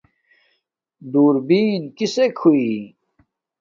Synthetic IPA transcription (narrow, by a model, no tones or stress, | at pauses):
d̪uːɾbiːnkisekʰui